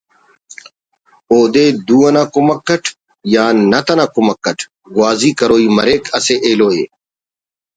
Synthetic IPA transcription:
oːd̪ed̪uːɐnakumɐkːɐʈʰ | jaːnɐt̪ɐnakumɐkːɐʈʰ | ɡwaːzikɐɾoːiːmɐɾeːkʰɐseʔeːloːeː

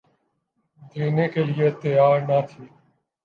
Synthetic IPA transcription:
d̪ʱeːneːkeːlɪjeːt̪əjaːɾnaːt̪ʰiː

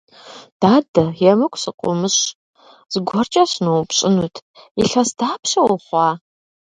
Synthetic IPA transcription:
d̥aːdɐjɛmɨkʷʰʼsɨqʷʼʊ̰mɨɕ | z̥ɨɡʷɔrt͡ʃʼɐɕnuwpɕʼɪnutʰiɬɐsd̥aːpʰɕɐwʊχʷɑː

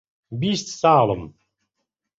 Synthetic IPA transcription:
bist̪saːləm

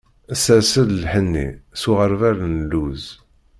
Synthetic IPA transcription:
æsæsəðlħənːḭsuʁəɾvæɾnlːuz

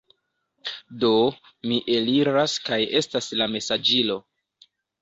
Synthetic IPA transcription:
do̞ | miʔe̞liɾaskaje̞staslame̞sad͡ʒilo̞

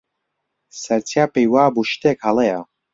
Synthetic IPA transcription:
sɐɾt͡sʰjapejwaːbuʃt̪eːkhaleja

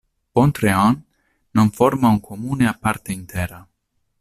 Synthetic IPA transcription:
pont̪ɾeɔnː | oɱfoɾmauŋkʰomuneapaɾt̪eint̪ʰɛːɾa

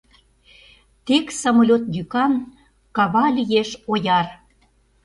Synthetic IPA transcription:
t̪eksɑmolʲot̪jykɑn | kɑβɑlʲijeʃojɑr

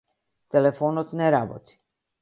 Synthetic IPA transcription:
t̪elefonot̪neɾabo̰t͡s̪ʲ

